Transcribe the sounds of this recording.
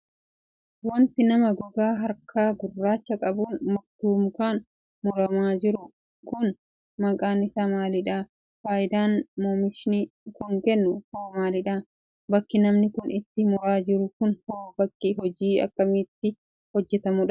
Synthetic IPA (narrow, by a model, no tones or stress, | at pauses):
wɐnt̪ɪnɐmɐɡɔɡaːɦɐɾkʰaːɡʊrːaːt͡ʃːɐkʼɐbuːnmɔkt̪uːmkaːn | mɔɾɐmaːd͡ʒɪɾʊ | kʊn | mɐkʼaːnɪsamaːlɪᶑaː | faːʔɪd̪aːnmɔːmɪʃɪnikʊŋkɛnːʊhoːmaːlɪᶑaː | bɐkːɪnɐmnɪkʊnʔɪt̪ːɪmɔɾaːd͡ʒɪɾʊkʊnhoːbɐkːɪɦɔd͡ʒiːɐ̰kːɐmɪt̪ːɪ | hɔd͡ʒːɛt̪ɐmʊᶑɐ